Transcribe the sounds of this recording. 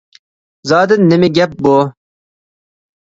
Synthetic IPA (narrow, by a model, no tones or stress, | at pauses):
zɑːd̪ɪnːɪmɪɡʲɛp̚bu